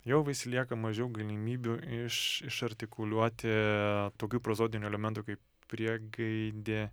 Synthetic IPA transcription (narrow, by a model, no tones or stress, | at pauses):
jɛʊʋʲɪsʲlʲiɛkɐmɐʒʲɛʊɡɐlʲimʲiːbʲuɪʃɪʃɐɾʲt̪ʲɪkʊlʲuɔt̪ʲɪt̪oːkʲuːpɾozoːd̪ʲɪnʲuɛlʲɛmʲɛnt̪uːkɐɪp | pʲɾʲiɛɡɐɪd̪ʲeː